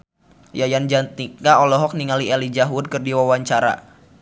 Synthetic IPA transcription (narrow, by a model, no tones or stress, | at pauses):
jajand͡ʒant̪ikŋaɔlɔɦɔk̚niŋalielid͡ʒaɦwʊd̚kɨrdiwawaɲt͡ʃaɾa̰